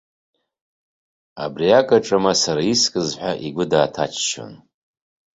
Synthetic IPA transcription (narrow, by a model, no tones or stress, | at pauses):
a̰briakʼaʈ͡ʂʼamasaɾaiskʼɨzħʷaʔiɡʷʊdaːtʰat͡ʃʰʃo̰n